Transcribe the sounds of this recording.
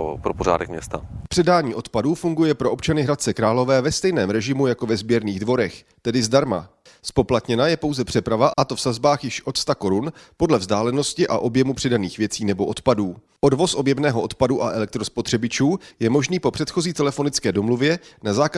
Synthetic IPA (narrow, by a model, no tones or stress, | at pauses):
pɾopoɾa̰ːdɛkmɲɛst̪a̰pr̥ɛdaːɲiːʔo̞t̪paduːfuŋɡujɛpɾoʔo̞pt͡ʃanɪɦɾat̪̚t͡sɛkɾaːlo̞vɛːvɛst̪ɛjnɛːmɾɛʒɪmujako̞vɛzbjɛɾniːɣdvo̞ɾɛx | t̪ɛdɪzdaɾma̰ | spo̞plat̪ɲɛnajɛpo̞wzɛpr̥ɛpɾavaʔat̪o̞fsazbaːxjɪʃʔo̞t̪st̪ako̞ɾunpo̞dlɛvzdaːlɛno̞scɪʔaʔo̞bjɛmupr̥ɛdaniːxvjɛt͡siːnɛbo̞ʔo̞t̪paduː | ʔo̞dvo̞sʔo̞bjɛbnɛːɦo̞ʔo̞t̪paduʔaʔɛlɛkt̪ɾospo̞t̪r̝̥ɛbɪt͡ʃuːjɛmo̞ʒniːpo̞pr̝̥ɛt̪xo̞ziːt̪ɛlɛfo̞nɪt͡skɛːdo̞mluvjɛnazaːk